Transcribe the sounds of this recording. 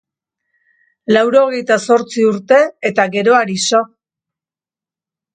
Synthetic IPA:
lawɾo̞ɣe̞jt̪aso̞ɾt͡siuɾt̪e̞ːt̪aɣe̞ɾo̞aɾiso

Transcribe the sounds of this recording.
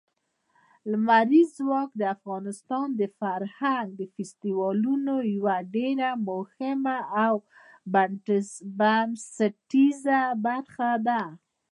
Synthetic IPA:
lmaɾizːwɑkd̪əafɣɑnɪst̪ɑnd̪əfaɾhaŋɡ̚d̪əfɪst̪iwɑlunojwaɖeɾamohɪmaːw | baɳʈəsbamsəʈizabaɾxad̪a

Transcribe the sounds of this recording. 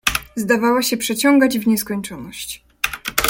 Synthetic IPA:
zd̪avawaɕɛpʂɛt͡ɕɔŋɡad͡ʑvɲɛskɔɲt͡ʂɔnɔɕt͡ɕ

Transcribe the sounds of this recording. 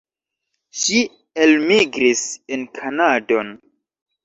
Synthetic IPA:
ʃi | elmiɡɾisenkʰanado̞n

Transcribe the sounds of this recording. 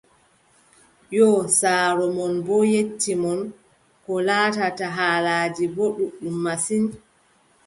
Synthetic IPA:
jɔsaːɾɔmɔnbɔjetːimɔn | kɔlaːtataɦaːlaːd͡ʒiboɗuɗumːasin

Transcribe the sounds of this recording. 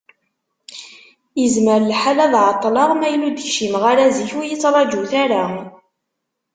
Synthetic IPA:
jəzməɾlħalæðʕɑt̪ˤːlɑʁmæjlud̪ʃimʁaɾæziçujət͡sːɾˤɑd͡ʒuθaɾa

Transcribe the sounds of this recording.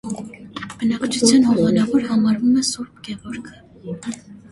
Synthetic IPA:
b̥ənɑkt͡ʃʰut͡sʰjɑnhɔʁɑnɑvɔɾhɑmɑɾvumɛsuɾbɡɛvɔɾkʰə̥

